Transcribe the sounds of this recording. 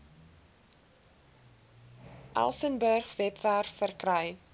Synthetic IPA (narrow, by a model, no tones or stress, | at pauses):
ʔæ̰lˠsənbərχvɛpfærfərkrəj